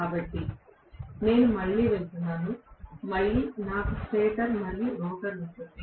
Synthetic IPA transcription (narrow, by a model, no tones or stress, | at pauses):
kaːbɐʈːi | ne̞ːnumɐɭːiːʋelt̪unːaːnumɐɭːiːnaːkupeːʈɐɾmɐlːiːɾɔːkɐɾnit̪ːui